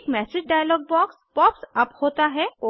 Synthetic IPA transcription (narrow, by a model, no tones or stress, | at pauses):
kmɛsɪd͡ʑɖajlɔːɡ̚bɔkspɔpsɐphot̪aɦɛo